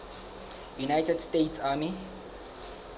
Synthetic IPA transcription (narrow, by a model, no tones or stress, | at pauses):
junajtʰɛdstejtʰsaːmi